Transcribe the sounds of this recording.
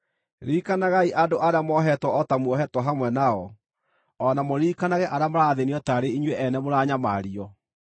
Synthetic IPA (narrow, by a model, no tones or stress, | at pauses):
ɾiːkanaɣaiʔadoʔaɾeamɔɦɛtwɔɔtamwɔɦɛtwɔɦamwɛnaɔ | ɔnamoɾiːkanaɣɛʔaɾamoɾaðeniɔtaɾeiɲwɛʔɛnɛmoɾaɲamaɾiɔ